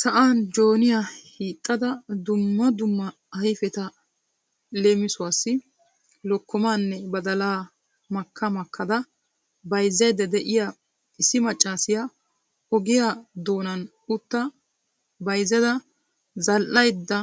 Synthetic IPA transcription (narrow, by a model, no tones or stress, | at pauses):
sɐʔaːnd͡ʒo̞ːnɪjahiːt̪ʼːɐd̪ɐd̪ʊmːɐd̪ʊmːɐ | ɐjfɛt̪ɐ | le̞ːmɪsʊwaːsːɪ | lɔkːɔmaːnːɛbɐd̪ɐlaː | mɐkʰːɐmɐkʰːɐd̪ɐ | bɐjzːɐjd̪ɐd̪ɛʔɪja | ɪsːɪmɐt͡ʃʼːaːsɪja | ɔɡɪjad̪o̞ːnɐn | ʊt̪ːɐ | bɐjzːɐd̪ɐ | zɐlʔɐjd̪ːɐ